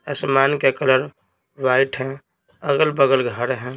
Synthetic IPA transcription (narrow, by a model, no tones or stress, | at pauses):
əsmaːnkekələɾ | ʋaːɪʈʰɦɛ̃ | əɡəlbəɡəlɡʱəɾɦɛ̃ː